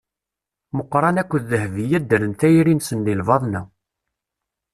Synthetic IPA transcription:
məqːɾˤɑnækʷːəðːəhvijæd̪ːəɾənt̪æjɾinsənlilvɑðˤnu

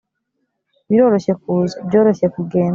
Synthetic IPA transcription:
βiɾo̞ːɾo̞ɕek̚uzbɟo̞ːɾo̞ɕekuɡe̞ːn

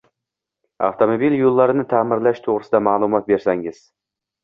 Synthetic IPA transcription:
a̰ft̪ʰomobiljolˠːaɾɪnɪt̪ʰaːmɪɾlaʃt̪ʰoʁɾɪsɪd̪amaːlˠʊmɒt̪̚be̞ɾsaŋɪz̥

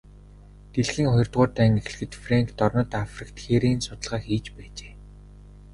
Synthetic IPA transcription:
t̪eɮxiːŋχʊjɞ̆rt̪ʁʊːt̪æːŋex̆ɮ̆xɘ̆t̪fraŋkt̪ɔrnɞ̆t̪afrĭkt̪xeɾeːnsʊt̪ə̆ɮʁaːxiːt͡ɕpæːt͡ɕe̥ː

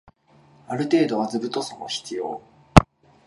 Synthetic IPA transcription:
aɾɯ̟t̪e̞ːd̪o̞βazɨbɯ̟t̪o̞sono̰çi̥t͡sɨjo̞̰ː

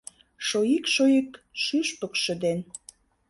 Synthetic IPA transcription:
ʃojikʃojikʃyʃpəkʃə̆d̪en

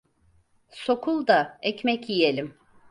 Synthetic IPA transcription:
so̞kʰulˠd̪aɛcmɛcjijelʲim

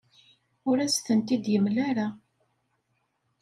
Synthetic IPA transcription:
ʊɾæst̪ənt̪id̪jəmlæɾa

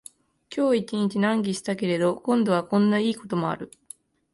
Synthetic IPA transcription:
kʲʰo̞ːit͡ɕiɲ̟it͡ɕinãŋɡʲiɕi̥t̪ake̞ɾe̞d̪o̞kõ̞nd̪o̞β̞akõ̞nːaiːko̞t̪o̞mo̞a̰ɾɯ̟

